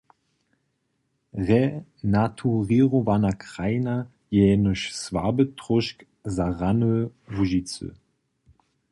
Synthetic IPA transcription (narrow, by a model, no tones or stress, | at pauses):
ʁɛnatʰuʁiʁovanakʁ̥ajna | jɛnəʃsva̰bətʁɔʃk | zaʁanəvuʒit͡sə̰